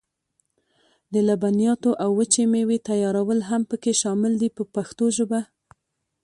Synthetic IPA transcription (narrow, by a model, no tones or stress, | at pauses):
d̪əlabanijɑt̪oʔawːət͡ʃemewet̪ajɑɾawəlɦampəkeʃɑmɪld̪ipəpaxt̪oʒəba